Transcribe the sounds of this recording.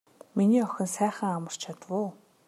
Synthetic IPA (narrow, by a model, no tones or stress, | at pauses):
miniːɔxʲɪ̆nsæːχə̆ŋamə̆r̥t͡ɕʰat̪ə̆wʊː